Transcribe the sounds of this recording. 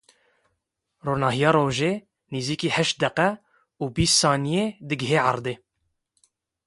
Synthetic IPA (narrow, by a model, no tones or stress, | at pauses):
roːnɑːɦijɑːɾoːʒeː | niːziːkiːhɛʃt̪̚d̪ɛqɛ | uːbiːssɑːnijeːd̪ɨɡɪɦeːʕɑɾd̪eː